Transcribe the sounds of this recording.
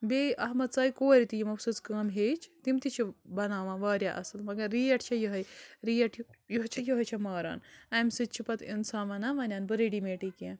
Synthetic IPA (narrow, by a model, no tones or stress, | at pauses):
bʲeːʔɐɦmɐt̪t͡saːikoːɾʲit̪ijimɐfsɨt͡skɐːmɦeːt͡ʃʰt̪imt̪it͡ʃʰibɐnaːʋãːʋaːɾʲjaːʔɐsɨlmɐɡɐɾːiːɐʈʰt͡ʃʰɐjuɦɐjɾiːɐʈʰjjuɦt͡ʃʰɐjuɦɐt͡ʃʰɐmaːɾa̰ːnɐmsɨt͡ʃʰipɐt̪ḭnsaːʋɐnaːʋɐnʲaːnbɨɾiɖiːmeːʈiːkiẽːn